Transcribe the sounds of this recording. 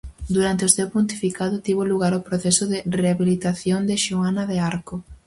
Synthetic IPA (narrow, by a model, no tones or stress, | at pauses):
d̪uɾant̪eosewpunt̪i̥fikaðʊt̪iβoluɣaɾopɾoθɛsʊðɪreaβilit̪aθjond̪eʃuanɐðeaɾko